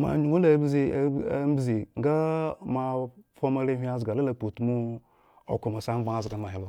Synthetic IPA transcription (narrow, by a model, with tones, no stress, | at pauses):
ma̰˨ɲu˨ŋo˦la˨˦bzi˦˨˦a˨˦m˦bzi˨ŋ̩˦ɡa˦ma˨fo˦ma˦ɾe˦ɦi˦a˦zɡa˨la˦a˨po˨tu˨mu˦ | o̰˨ko˨ma˨sa˦m˦va˦a˨˦zɡa˨˦ma˨ɦi˦lo˦